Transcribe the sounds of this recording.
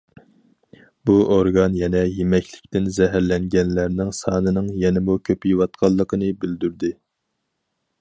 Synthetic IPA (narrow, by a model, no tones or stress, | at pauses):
buʔoɾɡɑnjɛnɛjemɛkʲʰlɪkʲt̪ɪnzɛɦæɾlɛŋɡʲɛnlæɾnɪŋsɑːnɨnɨŋjɛnɪmukʲʰøpjiwɑt̪qʰɑlˠːəqʰənɨbyld̪yɾd̪ɪ